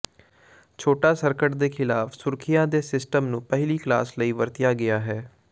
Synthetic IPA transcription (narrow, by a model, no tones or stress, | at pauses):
t͡ʃʰoːʈaːsəɾkəʈd̪eːkʰɪlaːfʰsʊɾkʰɪjãːd̪eːsɪsʈəmnũːpəɦliːkla̰ːsləiːʋəɾt̪ɪjaːɡɪaːɦɛː